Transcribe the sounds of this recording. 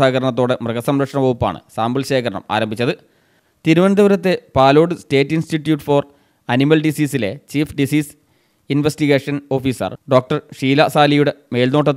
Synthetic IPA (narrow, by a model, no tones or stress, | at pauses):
aːɣɐɾɐɳɐt̪̬ːo̞ːɽe̞mrɨɣɐsɐmɾɐkʂɐɳɐʋɐɣupːa̰ːɳɨ̰saːmbɐlɕe̞ːkʰɐɾɐɳɐ̰ma̰ːɾɐmbʱit͡ɕːɐðɨ | t̪iɾuʋɐnd̪ɐʋɐɾɐt̪ːe̞paːlo̞ːɽɨste̞ːʈːinstiʈːjuːʈːfor | ɐnimɐlɖisiːsile̞t͡ɕiːfɖisiːs | inʋestiɣeːʂɐno̞ːfiːsɐ̰rɖo̞ːk̚ʈɐrʂiːlɐsaːlijuɽe̞me̞ːlno̞ːʈːɐt̪ː